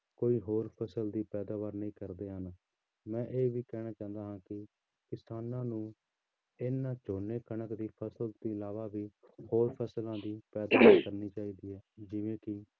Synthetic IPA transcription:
koːiːɦoːɾpʰəsəld̪iːpɛːd̪aːʋaːɾnəĩːkəɾd̪eːɦən | mɛ̃ːʔeːʋiːkɛːɽ̃aːt͡ʃãːnd̪aːɦãːkɪ | kɪsaːnãːnũː | ɪnːãːt͡ʃoːneːkənəkd̪iːpʰəsəlt̪iːɪlaːʋaːbiːhoːɾpʰəslãːd̪iːpɛːd̪aːʋaːɾkəɾniːt͡ʃaːiːd̪iːɦɛːd͡ʒɪʋẽːkɪ

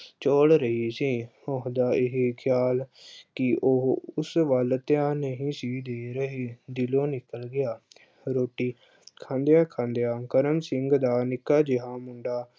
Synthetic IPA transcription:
t͡ʃoːlɾəɦiːsiːoɦd̪aːɪɦekʰjaːlkɪʔoɦʊsʋəlt̪jãːnəɦĩːsiːd̪eːɾəɦeːd̪ɪlõːnɪkəlɡɪjaː | ɾoːʈiː | kʰãːnd̪ejaːkʰãːnd̪ejaːkəɾəmsɪŋɡd̪aːnɪkːaːd͡ʒɪɦaːmʊɳɖaː

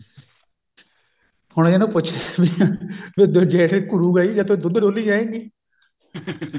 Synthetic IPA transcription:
hʊɽeːnũːpʊt͡ʃʰːʋibed̪oːd͡ʒɛːʈːkʊɽuːɡaiːd͡ʒãːt̪õːd̪ʊd̪ɖoːliːd͡ʒaːẽːŋɡiː

